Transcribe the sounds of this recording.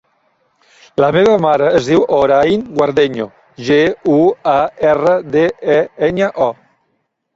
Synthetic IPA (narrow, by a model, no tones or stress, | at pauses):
ləmeβəmaɾəːzðiwʔoɾajŋɡwaɾðeɲo | ʒeuaɛrəðeɛeɲəʔɔ